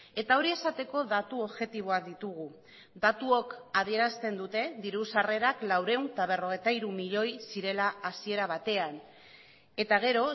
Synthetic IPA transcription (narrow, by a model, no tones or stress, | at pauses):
e̞t̪ao̞ɾie̞sat̪e̞ko̞ðat̪uoβʝe̞t̪iβ̞oak̚d̪it̪uɣ̞u | d̪at̪uo̞kaðie̞ɾast̪e̞nd̪ut̪e̞ðiɾusare̞ɾaklawɾe̞unt̪aβ̞e̞ro̞ɣ̞ejt̪aiɾumiʎo̞jsiɾe̞laːsie̞ɾaβ̞at̪e̞an | e̞t̪aɣ̞e̞ɾo̞